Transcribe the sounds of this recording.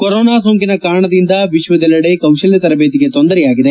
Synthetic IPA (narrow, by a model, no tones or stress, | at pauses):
koɾoːnaːsoːŋkinɐkaːɾɐɳɐd̪ind̪ɐʋiʃʋɐd̪ɛlːɐɽekɐwʃɐljɐt̪ɐɾɐbeːt̪iɡe̞t̪ond̪ɐɾɛjaːɡid̪e̞